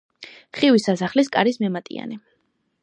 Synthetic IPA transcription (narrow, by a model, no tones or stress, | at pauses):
χiwisasaχlis̬kʼaɾismɛmat̪ʼḭa̰nɛ